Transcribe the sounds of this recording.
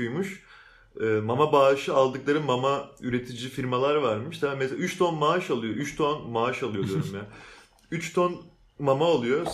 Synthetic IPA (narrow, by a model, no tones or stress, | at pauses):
ujmuʃ | ɯːmamabaːʃɯalˠd̪ɯklˠaɾɯmamayɾe̞t̪ʰid͡ʒifiɾmalˠaɾvaɾmɯʃd̪ameselayt͡ʃt̪ʰonmaʃalˠɯjo̞ʔyt͡ʃt̪ʰonmaaʃalˠɯjd̪ijoɾumja | yt͡ʃt̪ʰon | mamaolˠujo